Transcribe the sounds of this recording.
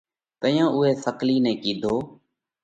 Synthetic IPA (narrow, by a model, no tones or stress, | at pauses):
t̪əjãːʔʊɦeːsəkliːnɛ̃ːkiːd̪ʱoː